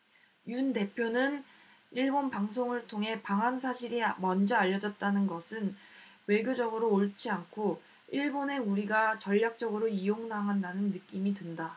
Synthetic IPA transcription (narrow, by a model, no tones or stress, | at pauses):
junde̞pʰjonɯn | iɭbonpaŋs̬ʰoŋɯɭtʰoŋɦe̞paŋɦansʰaɕʰiɾimʌnd͡ʑʌaʎːʌd͡ʑʌt̚t͈anɯnɡʌsʰɯn | we̞ɡjod͡ʑʌɡɯɾoːɭt͡ɕʰiankʰo | iɭbone̞uɾiɡat͡ɕʌʎːak̚t͡ɕ͈ʌɡɯɾoijoŋnaɦandanɯnːɯk͈imidɯnda